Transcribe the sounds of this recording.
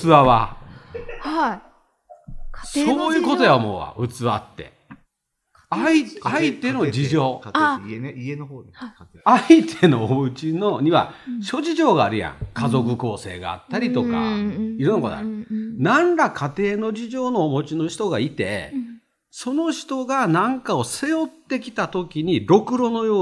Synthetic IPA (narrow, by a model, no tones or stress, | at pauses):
ɨβaβa | h | so̞ːjɯ̟ːko̞t̪o̞jamo̰βa̰ɯ̟t͡sɨβa̰t̪ːe̞̰ | aiait̪e̞no̞d͡ʑiʑo̞ː | ait̪ʰeno̞ɯ̟t͡ɕino̞ɲ̟iβa̰ɕo̞ʑiʑo̞ːɡaːɾɯ̟jã̰ŋkazo̞kɯ̟ko̞ːse̞̰ːɡa̰a̰t̪ːaɾʲit̪o̞ka̰iɾɯnːokoa̰nãnɾakʰat̪e̞ːno̞d͡ʑiʑo̞ːno̞ːmo̞t͡ɕino̞ɕi̥t̪o̞ɡait̪e̞̰ | so̞no̞ɕi̥t̪o̞ɡanãŋkao̞se̞jo̞t̪ːe̞kʲi̥t̪at̪o̞kʲiɲ̟iɾo̞kɯ̟ɾo̞no̞jo̞ː